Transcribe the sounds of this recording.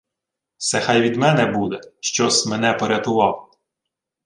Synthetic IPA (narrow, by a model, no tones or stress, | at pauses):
sɛxɑjʋʲid̪mɛnɛbud̪ɛʃt͡ʃɔsʲmenɛpɔɾʲɐt̪ʊʋɑw